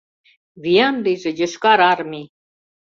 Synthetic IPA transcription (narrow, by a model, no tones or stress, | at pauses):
βijɑnd̪iʒĕjə̆ʃkɑɾɑɾmi